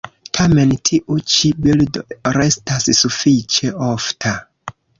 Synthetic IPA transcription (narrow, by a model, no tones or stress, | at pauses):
tʰame̞ntʰiʔut͡ʃibildoɾe̞stassufit͡ʃe̞oftʰa